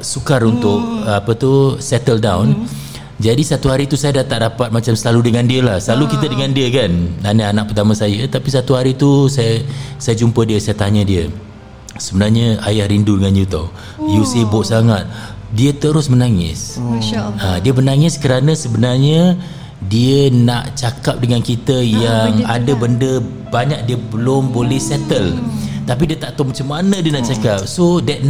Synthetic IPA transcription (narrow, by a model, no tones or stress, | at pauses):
sukarunt̪ʊʔapət̪usɛt̪əldawn | d͡ʒadisat̪uɦaɾit̪usajadaht̪aʔdapat̪̚mat͡ʃamsəlaludəŋandiəlahsəlalukit̪ədəŋandiəkananəanaʔ̚pərt̪amãsajət̪apisat̪uhaɾit̪usajəsajad͡ʒumpədiəsajat̪aɲãdiə | səbənarɲəajahɾindudəŋanjut̪o̰ | jusibʊʔsaŋat̪̚diət̪əɾʊsmənaŋɪ̰s | adiəbərnaŋɪskəɾanə̃səbənarɲə | diəna̰ʔt͡ʃakap̚dəŋankit̪əjaŋadəbəndə | baɲak̚diəbəlʊmbolɛhsɛt̪əlt̪apidiət̪aʔt̪omat͡ʃamːanədiənaʔt͡ʃakap̚sodɛt̪̚n